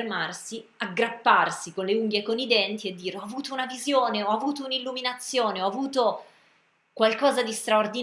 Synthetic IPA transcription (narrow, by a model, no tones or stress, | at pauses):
rmarsiaɡːɾapːarsikonleuŋɡjekonid̪ɛnt̪ied̪ːiːɾeɔavuːt̪ounavizjoːneɔavuːt̪ounilːuminat̪sːjoːneɔavuːt̪o | kwalkɔːzad̪ist̪ɾaord̪i